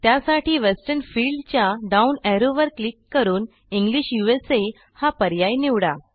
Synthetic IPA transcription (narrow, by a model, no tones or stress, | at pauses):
t̪jasaʈiːʋesʈəɾnfiɭɖt͡ɕjaɖawnɛɾoʋəɾklikːəɾuːn | iŋɡliɕjuese | hapəɾjajniʋɽa